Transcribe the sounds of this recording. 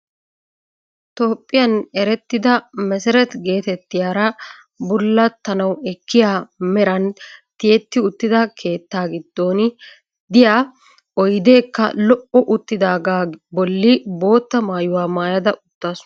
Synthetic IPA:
t̪o̞ːpʼːɪjɐnɛɾɛt̪ːɪd̪ɐmɛsɛɾɛt̪ɡe̞ːt̪ɛt̪ːɪjaːɾɐ | bʊlːɐt̪ːɐnɐwɛkːɪjaːmɛɾɐnt̪ɪjɛt̪ːɪʊt̪ːɪd̪ɐkʰe̞ːt̪ːaːɡɪd̪ːo̞ːnɪ | d̪ɪjaː | ɔjd̪e̞ːkːɐ̰lɔʔɔʔʊt̪ːɪd̪aːɡaːbɔlːɪbo̞ːt̪ːɐmaːjʊwaːmaːjɐd̪ɐʔʊt̪ːaːsʊɐ

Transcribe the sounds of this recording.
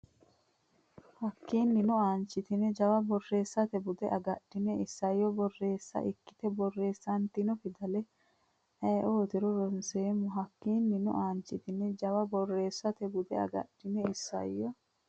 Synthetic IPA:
hɐkːiːnːɪnʊaːnt͡ʃːɪt̪ɪnɛd͡ʒɐwɐbɔrːe̞ːsːɐt̪ɛbʊd̪ɛʔɐɡɐd̥ːɪnɛɪsːɐjːɔbɔrːe̞ːsːɐ̰ʔɪkːɪ̥t̪ɛbɔrːe̞ːsːɐnt̪inɔfɪd̪ɐlɛ | ɛːʔoːt̪ɪɾɔɾɔnseːmʊɦɐkːiːnːɪnʊ̰ʔaːnt͡ʃːɪt̪ɪnɛd͡ʒɐwɐbɔrːe̞ːsːɐt̪ɛbʊd̪ɛɐ̰ɡɐ̰ɗ̥ːɪnɛɪsːɐ̰jːɔ

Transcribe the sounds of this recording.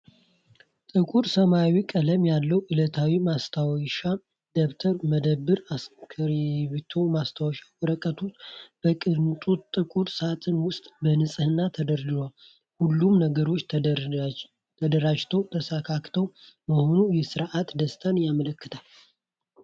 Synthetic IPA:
t̪ʼɨkʼuɾsəmawikʼələmjalːəwʔɨlət̪ʰawimast̪ʰawʃa | d̪okt̪ʰəɾməd̪əβːɨɾaskʰəɾβit̪ʰo̞mast̪ʰawʃawɾəkʼːət̪ʰut̪b̥əkʼɨnt̪ʼut̪ʼɨkʼuɾsat̪ʰɨnwʊst̪ʼbənɨsʼɨhɨnːat̪ʰəd̪əɾd̪ɨlal | hulːumnəɡəɾo̞t͡ʃː | t̪ʰəd̪əɾad͡ʒt̪ʰəwt̪ʰəsakʰakt̪ʰəwməho̞nujɛsɨɾʔat̪d̪əst̪ʰʼanjamələkːɨt̪ʰal

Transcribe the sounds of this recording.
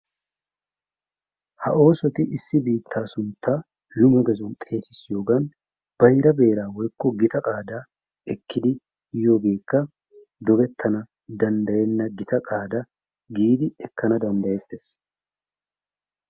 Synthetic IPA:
hɐʔo̞ːsɔt̪ɪʔɪsːɪbiːt̪ʰːaːsʊnt̪ːaː | lʊmɐɡɛzʊnt̪ʼe̞ːsɪsjo̞ːɡɐn | b̥ɐjɾɐbe̞ːɾaːwɔjkːɔɡɪt̪ɐkʼaːd̪a | ɛkːɪd̪ɪ | jo̞ːɡe̞ːkːɐ | d̪ɔɡɛt̪ʰːɐnɐ | d̪ɐnd̪ɐjɛnːɐɡɪt̪ɐkʼaːd̪ɐ | ɡiːd̪ɪɛkːɐnɐd̪ɐnd̪ɐjɛt̪ːɛs

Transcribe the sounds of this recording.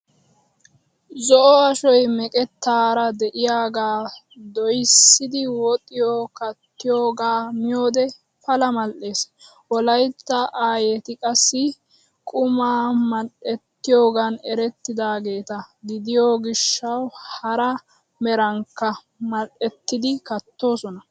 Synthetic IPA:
zɔʔɔɐʃɔjmɛkʼɛt̪ːaːɾɐd̪ɛʔɪjaːɡaː | d̪ɔjsːɪd̪ɪwɔt̪ʼɪjokɐt̪ːɪjoːɡaːmɪjo̞ːd̪ɛ | fɐlɐmɐlʔe̞ːs | wɔlɐjt̪ːɐʔaːjeːt̪ɪkʼɐsːɪ | kʼʊmaːmɐɗɛt̪ːɪjoːɡɐnɛɾɛt̪ːɪd̪aːɡe̞ːt̪ɐɡɪd̪ɪjoɡɪʃːɐwhɐɾɐ | mɛɾɐŋkːɐ | mɐlʔɛt̪ːɪd̪ɪkɐt̪ːo̞ːsɔnɐ

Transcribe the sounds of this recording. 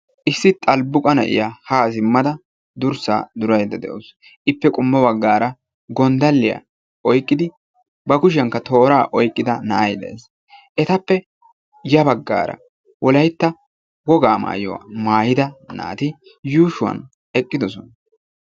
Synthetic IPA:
ʔɪsːɪt̪ʼɐlbʊkʼɐnɐ̰ʔɪ̰jahaːsɪmːɐd̪ɐ | d̪ʊɾsa̰ːd̪ʊɾɐjd̪ɐd̪ɛ̰ʔos | ʔɪpːɛkʼʊmːɔbɐɡːaːɾɐ | ɡɔnd̪ɐlːɪja̰ | ʔɔjkʼːɪd̪ɪ | bɐkʊʃ̬ɐŋkːɐt̪o̞ːɾaːʔɔjkʼːɪd̪ɐnɐʔɐjd̪ɛ̰ʔḛːs | ʔɛt̪ɐpːɛ | jɐbɐɡːa̰ːɾɐ̰ | wɔlɐjt̪ːɐ | wɔɡaːma̰ːjɔ̰wɐ̰maːjɪd̪ɐna̰ːt̪ɪ | juːʃʊwɐ̰n | ɛkʼːɪd̪ɔsɔnɐ

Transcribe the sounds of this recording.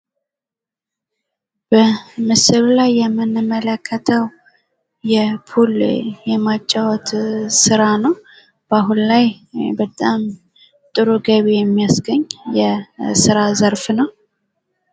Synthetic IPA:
b̥əmɨsɨllajːɛmːɨnɨmːələkʰːət̪ʰəw | jɛpʰuljɛmat͡ʃʼːawɔt̪sɨɾanəw | b̥aɦullajbət̪ʼam | t̪ʼɨɾuɡəβejɛmːijasɡəɲːjɛsɨɾazəɾfnəw

